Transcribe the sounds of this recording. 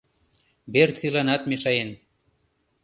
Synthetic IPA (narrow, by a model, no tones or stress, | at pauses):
bert͡silɑnɑt̪meʃɑjen